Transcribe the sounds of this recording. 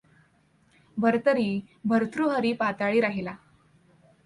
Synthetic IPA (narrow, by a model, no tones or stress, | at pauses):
bʱəɾt̪əɾiː | bʱəɾt̪ʰɾuɦəɾiːpat̪aɭiːɾaɦila